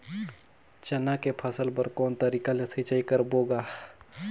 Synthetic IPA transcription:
t͡ʃɐnakepʰɐsəlpəɾkɔːnt̪əɾiːkalesit͡ʃaikəɾboːɡaː

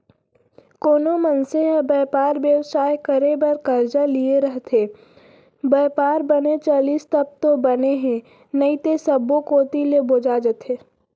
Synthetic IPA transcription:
koːnomɐnseəbəːpaːɾbjəwsaːjkəɾebɐɾkɐɾd͡ʒalieɾɐɦt̪ʰe | bɛːpaːɾbənet͡ʃaːliːst̪ɐb̚t̪obɐneɦɛ̃ | nɐit̪esɐbokoːt̪ileboːd͡ʒad͡ʒət̪ʰeː

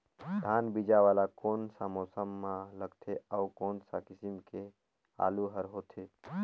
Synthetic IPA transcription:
d̪ʱaːnbid͡ʒaʋaːlakoːnsamɔːsəmːaləɡt̪ʰeaukoːnsakɪsimke | a̰ːluɦəɾɦoːt̪ʰe

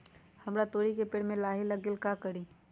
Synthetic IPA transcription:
hɐmɾat̪oːɾikepɪɽmẽlaːɦɪlɐɡɪlkakəɽi

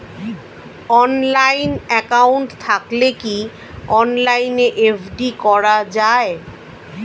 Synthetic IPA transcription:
ɔnlajnɛkauɳʈt̪ʰakleki | ɔnlajneʔefʰɖikɔɾad͡ʑae

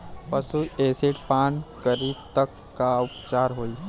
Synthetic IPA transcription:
pəsueːsɪʈpãːnkəɾiːb̚t̪əkːaʊpt͡ʃaːɾɦoːi

